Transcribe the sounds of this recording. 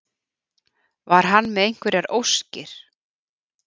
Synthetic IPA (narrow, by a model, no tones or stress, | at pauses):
vaɾ̥ɦanːmɛðejŋ̥kvɛɾɪaɾowscɪɾ̥